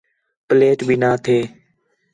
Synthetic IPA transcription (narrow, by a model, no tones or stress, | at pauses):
pleːʈbʱiːnaːt̪ʰeː